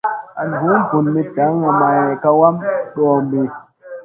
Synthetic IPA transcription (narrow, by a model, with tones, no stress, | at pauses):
a˨n˨ɦu˨˦m̩˦pu˨nmi˦ta˨˦ŋa˨ma˨jka˧wa˦mɗɔː˨mbi˨